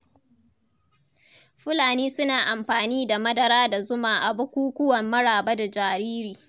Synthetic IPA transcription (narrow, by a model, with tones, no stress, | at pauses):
ɸʊ˦laː˨niː˦sʊ˦naː˨ʔa˨mɸaː˨niː˦da˨mɐ˦dɐ˨ɾaː˦da˨zʊ˦maː˨ʔa˨bʊ˦kʷuː˦kʷʊ˦wɐ˨mːɐ˦ɽaː˨ba˦da˨d͡ʒaː˨ɾiː˦ɾiː˨